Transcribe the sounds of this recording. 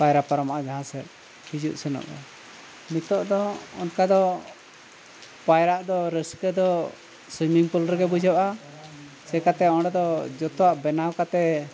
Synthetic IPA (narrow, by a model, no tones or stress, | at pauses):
pajɾapaɾɔmaʔad͡ʒaɦãsɛ | hid͡ʒuʔsɛnɔ̰ʔɛ̰ | mit̪ɔʔd̪ɔɔnkad̪ɔ | pajɾaʔd̪ɔɾəskɛd̪ɔ | sumiŋpulɾɛɡɛbud͡ʒɔʔʔa | sɛkat̪ɛɔɽɛd̪ɔd͡ʒɔt̪ɔwaʔbɛnawkat̪ɛ